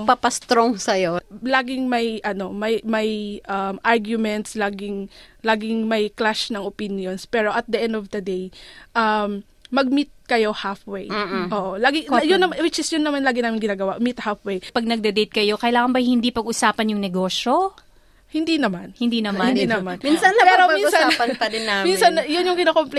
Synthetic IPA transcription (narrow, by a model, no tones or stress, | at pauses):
pɐpɐst̪ɾoŋsɐjolaːɡɪŋmɐjʔɐno̞mɐjmɐjʔɐmʔaɹɡjʊmɛnt̪slaːɡɪŋlaːɡɪŋmɐjklaʃnɐŋopinjonspɛːɾo̞ʔɐt̪̚d̪ɐʔɛ̃nd̪ovd̪ɐd̪ejʔɐm | mɐɡ̚mit̪̚kɐjo̞hafwejʔoːʔolaːɡɪjʊnːɐmawɪt͡ʃɪsjʊnːɐmanlaːɡɪnaːmɪnɡɪnaːɡɐwaʔmit̪̚hafwejpɐɡ̚nɐɡ̚d̪ɛd̪ejt̪̚kɐjo̞kɐjlaːŋɐnbɐhɪnd̪ipɐɡʔʊsaːpɐnjʊŋnɛɡo̞ːʃjo̞ | hɪnd̪inɐmanhɪnd̪inɐmaninɐmanminsɐnɐpɛːɾoɐminʊsaapɐnpɐdɪnːaminsɐnjʊnjʊŋɡɪnaːkomplɛ